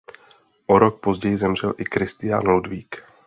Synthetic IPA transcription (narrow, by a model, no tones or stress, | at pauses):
ʔo̞ɾok̚po̞zɟɛjɪzɛmr̝ɛlʔɪkɾɪst̪ɪja̰nludviːk